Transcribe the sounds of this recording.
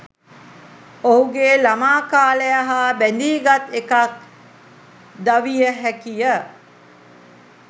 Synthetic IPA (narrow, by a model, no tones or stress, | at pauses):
oɦuɡeːlamaːkaːləjaɦaːbænd̪iːɡat̪ekak̚ | d̪aʋijəɦækijə